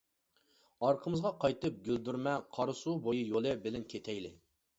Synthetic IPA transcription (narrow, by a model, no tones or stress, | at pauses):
ɑɾqʰəmɨzʁɑqʰɑjt̪ɨp̚ɡʲøld̪yɾmɛqʰɑɾɨsubojɨjolˠɨbɪlɪnkʲʰet̪ʰɛjlɪ